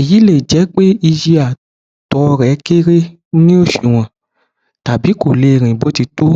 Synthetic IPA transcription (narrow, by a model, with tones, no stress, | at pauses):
e˨ji˨˦le˦˨d͡ʒɛ˨˦k͡pe˦i˧d͡ʒi˦a˨ | tɔ˧˦˧ɾɛ˨˦ke˦ɾe˦ | nĩ˦o˦˨ʃi˨w̃ɔ̃˨ | ta˨bi˨˦ko˨le˧˨ɾ̃ĩ˨bo˨˦ti˧to˦